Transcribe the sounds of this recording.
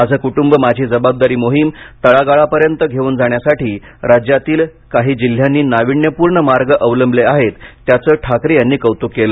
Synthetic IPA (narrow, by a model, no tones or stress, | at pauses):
ad͡zʱəːkuʈumbəmad͡ʑʱiːd͡zəbab̚d̪aɾiːmoɦimt̪əɭaɡaɭapəɾjənt̪əɡʱeuːnd͡zʱaɳ̃jasaʈiː | ɾad͡ʑjat̪iːl | kaɦiːd͡ʑil̤ːjanːiːnaʋiɳjəpuːɾɳəmaɾɡəʔəʋləmbleaɦet̪ːjat͡səːʈʰakɾijanːiːkəʋt̪ukːelə